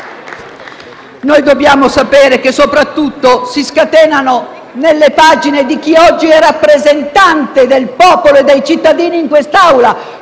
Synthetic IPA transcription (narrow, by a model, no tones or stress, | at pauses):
nojd̪objaːmosapɛːɾek̟esːopɾat̪ːut̪ːosiskat̪ɛːnano | nelːepaːd͡ʒined̪ik̟iɔd͡ʒːiɛrapːɾezent̪ant̪ed̪elpɔːpoloed̪ːejt͡ʃit̪ːad̪iːniːŋkwest̪awla